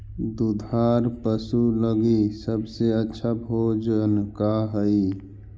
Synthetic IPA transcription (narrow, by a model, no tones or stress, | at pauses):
d̪ud̪ʱaːɾpəsuləɡisəbseətːʃʰabʱoːd͡ʒənkaɦəi